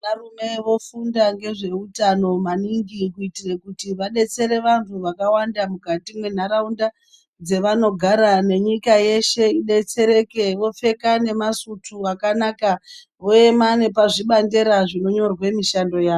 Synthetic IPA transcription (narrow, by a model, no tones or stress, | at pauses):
narume̞ʋo̞fundaŋɡe̞ʐe̞utano̞maniŋɡikuitirekutiʋaɗe̞t͡se̞ɾe̞ʋantʰuʋakawandamukatimwe̞n̤aɾaunda | d͡ze̞ʋano̞ɡʱaɾane̞ɲikaje̞ʃe̞iɗe̞t͡se̞ɾe̞ke̞ʋo̞fe̞kane̞masutʰuakanaːka | ʋo̞e̞mane̞paʐiɓande̞ɾaʐino̞ɲo̞rwe̞miʃando̞jaːo